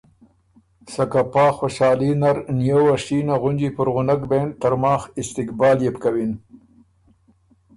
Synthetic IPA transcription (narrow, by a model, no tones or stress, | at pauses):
sakapɑːxoʃɑːlinaɾnjowaʂinaɣʊnd͡ʒipʊɾɣʊnakbent̪aɾmɑːxɪst̪ɪkbɑːljepkawin